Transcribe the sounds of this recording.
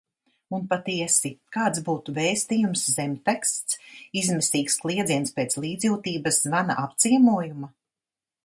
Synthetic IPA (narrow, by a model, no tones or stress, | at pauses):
unpat̪iɛsikaːt̪sbuːt̪uvɛːst̪ijumszɛmʲp̪ɛkst̪sizmɛsiːksklˠiɛd̪ziɛnspeːt̪slˠiːd̪zjuːt̪iːbɐszvana̰ʔap̚t̪siɛmuɔjuma